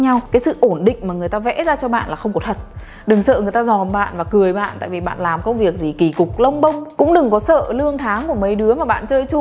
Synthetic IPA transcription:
ɲa˧wkaː˨˦jsɨ̰˧˨ʔo˧˩nɗḭ̈˧˨ŋ̟maː˨˩ŋɨ˨˩əjt̪aː˧vɛ̰˧˥zaː˧t͡ɕɔ˧ɓa̰ː˧˨nlaː˨˩xə˧wŋ͡mkɔ˨˦t̪ʰə˨˩t̚ | ɗɨ˨˩ŋsə̰ː˧˨ŋɨ˨˩əjt̪aː˧zɔ˨˩mɓa̰ː˧˨nvaː˨˩kɨ˨˩əjɓa̰ː˧˨nt̪a̰ː˧˨jvi˨˩ɓa̰ː˧˨nlaː˨˩mkə˧wŋ͡mvi˨˩ək̚zi˨˩ki˧˩kʊ˨˩k̚lə˧wŋ͡mɓə˧wŋ͡mkʊ̰˧˥ŋ͡mɗɨ˨˩ŋkɔ˨˦sə̰ː˧˨lɨ˧əŋt̪ʰaː˨˦ŋku˧˩əmə˨˦jɗɨ˨˦əmaː˨˩ɓa̰ː˧˨nt͡ɕəː˧jt͡ɕʊ˧ŋ͡m

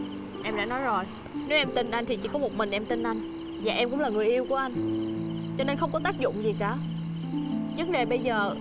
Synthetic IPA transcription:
ʔɛ˧mɗa̰ː˧˥nɔ˨˦jzo˨˩j | ne˨˦wʔɛ˧mt̪i˧nʔa˧jŋ̟t̪ʰi˨˩t͡ɕḭ˧˥kɔ˨˦mo˨˩t̚mï˨˩ŋ̟ʔɛ˧mt̪i˧nʔa˧jŋ̟ | vaː˨˩ʔɛ˧mkʊ̰˧˥ŋ͡mlaː˨˩ŋɨ˨˩əjʔi˧wku˧˩əʔa˧jŋ̟ | t͡ɕɔ˧ne˧nxə˧wŋ͡mkɔ˨˦t̪aː˦˥k̚zʊ̰˧˨ŋ͡mzi˨˩kaː˧˩ | zə˨˦ŋ͡mɗe˨˩ɓə˧jzəː˨˩

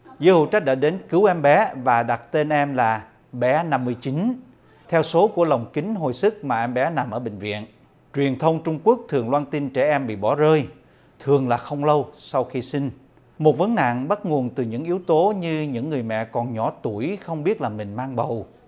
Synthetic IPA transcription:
zəː˨˦hṵ˧˨wt͡ɕa˦˥k̚ɗaː˧˥ɗe˨˦nkɨ˨˦wʔɛ˧mɓɛ˨˦vaː˨˩ɗa˨˩t̚t̪e˧nʔɛ˧mlaː˨˩ | ɓɛ˨˦na˧mːɨ˧əjt͡ɕi˨˦n | t̪ʰɛ˧wso˨˦ku˧˩ələ˨˩wŋ͡mkï˨˦ŋ̟ɦo˨˩jsɨ˦˥k̚maː˨˩ʔɛ˧mɓɛ˨˦na˨˩mʔəː˧˩ɓï˨˩ŋ̟vḭ˧˨ən | t͡ɕwi˨˩ənt̪ʰə˧wŋ͡mt͡ɕʊ˧ŋ͡mku˦˥ək̚t̪ʰɨ˨˩əŋlwaː˧nt̪i˧nt͡ɕɛ˧˩ʔɛ˧mɓḭ˧˨ɓɔ˧˩zəː˧j | t̪ʰɨ˨˩əŋlaː˨˩xə˧wŋ͡mlə˧wsa˧wxi˧si˧ŋ̟ | mo˨˩t̚və˨˦ŋna̰ː˧˨ŋɓa˦˥t̚ŋu˨˩ənt̪ɨ˨˩ɲɨ̰˧˥ŋʔi˨˦wt̪o˨˦ɲɨ˧ɲɨ̰˧˥ŋːɨ˨˩əjmɛ̰˧˨kɔ˨˩nɲɔ˧˩˦t̪u˧˩əjxə˧wŋ͡mɓi˦˥ət̚laː˨˩mï˨˩ŋ̟maː˧ŋɓə˨˩w

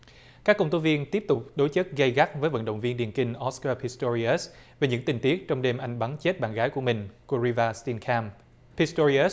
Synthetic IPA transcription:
kaː˦˥kːə˧wŋ͡mt̪o˨˦jvi˧ənt̪i˦˥əp̚t̪ʊ˨˩k͡p̚ɗo˨˦jt͡ɕə˦˥t̚ɣə˧jɣa˦˥t̚vəː˨˦jvə̰˧˥nɗə̰˧˨wŋ͡mvi˧ənɗi˨˩ənkï˧ŋ̟ʔɔ˦˥skaː˧pʰi˧st̪o˧ɹi˧ə˦˥s | ve˨˩ɲɨ̰˧˥ŋt̪ï˨˩ŋ̟t̪i˦˥ək̚t͡ɕɔ˧wŋ͡mɗe˧mʔa˧jŋ̟ɓa˨˦nt͡ɕe˦˥t̚ɓa̰ː˧˨nɣaː˨˦jku˧˩əmï˨˩ŋ̟ku˧ɾi˧vaː˧st̪i˧nkʰaː˧m | pʰi˨˦˥st̪o˧i˧ə˦˥s

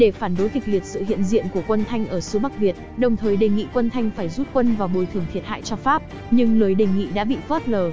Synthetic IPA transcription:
ɗe˧˩faː˧˩nɗo˨˦jki˨˩k̚li˨˩ət̚sɨ̰˧˨hḭ˧˨ənzḭ˧˨ənku˧˩əkwə˧nt̪ʰa˧jŋ̟ʔəː˧˩sɨ˨˦ɓa˦˥k̚vi˨˩ət̚ɗə˨˩wŋ͡mt̪ʰəː˨˩jɗe˨˩ŋḭ˧˨kwə˧nt̪ʰa˧jŋ̟faː˧˩jzu˦˥t̚kwə˧nvaː˨˩wɓo˨˩jt̪ʰɨ˧˩ət̪ʰət̚ha̰ː˧˨jt͡ɕɔ˧faː˦˥p̚ | ɲɨ˧ŋlɨː˨˩jɗe˨˩jŋḭ˧˨ɗa̰ː˧˥ɓḭ˧˨fɔ˦˥t̚ləː˨˩

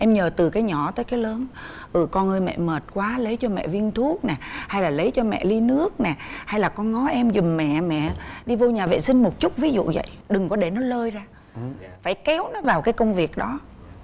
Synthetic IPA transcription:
ʔɛ˧mɲəː˨˩t̪ɨ˨˩kaː˨˦jɲɔ˧˩t̪əː˨˦jkaː˨˦jləː˨˦n | ʔɨ˨˩kɔ˧nʔəː˧jmɛ̰˧˨məː˨˩t̚kwaː˨˦lə˨˦jt͡ɕɔ˧mɛ̰˧˨vi˧ənt̪ʰu˦˥ək̚nɛː˨˩ha˧jlaː˨˩lə˨˦jt͡ɕɔ˧mɛ̰˧˨li˧nɨ˦˥ək̚nɛ˨˩ha˧jlaː˨˩kɔ˧nŋɔ˨˦ʔɛ˧mzʊ˨˩ŋ͡mmɛ̰˧˨mɛ̰˧˨ɗi˧vo˧ɲaː˨˩vḛ˧˨sï˧ŋ̟mo˨˩t̚t͡ɕʊ˦˥k͡p̚vi˨˦zṵ˧˨və̰˧˨jɗɨ˨˩ŋkɔ˨˦ɗe˧˩nɔ˨˦ləː˧jzaː˧ | faː˧˩jkɛ˨˦wnɔ˨˦vaː˨˩wkaː˨˦jkə˧wŋ͡mvi˨˩ək̚ɗɔ˨˦

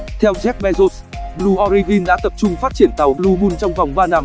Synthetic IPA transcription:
t̪ʰɛ˧wzɛ˦˥k̚ɓɛ˧zo˦˥s | ɓlu˧ʔɔ˧ɾi˧vi˧nɗa̰ː˧˥t̪ə˨˩p̚t͡ɕʊ˧ŋ͡mfaː˦˥t̚t͡ɕi˧˩ənt̪a˨˩wlu˧ɓu˧nt͡ɕɔ˧wŋ͡mva˨˩wŋ͡mvaː˧naː˧m

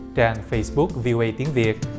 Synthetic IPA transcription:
t͡ɕaː˧nfə˧jsɓʊ˦˥k̚vi˧ʔo˧ʔə˧jt̪i˨˦ənvi˨˩ət̚

